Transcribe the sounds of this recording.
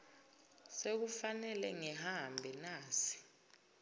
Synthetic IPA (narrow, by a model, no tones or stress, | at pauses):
sek̬ufanɛlɛŋɛɦambʱɛnaːsi̥